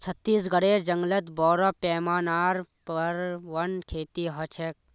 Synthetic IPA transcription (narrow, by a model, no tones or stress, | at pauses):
t͡sʰɐt̪ːiːs̬ɡɐɽeːd͡ʒɐŋɡlɐt̪bɔːɾɐpɛːmaːnaːɾpɐɾʋɐnkʰeːt̪iːɦɐt͡ʃʰek̚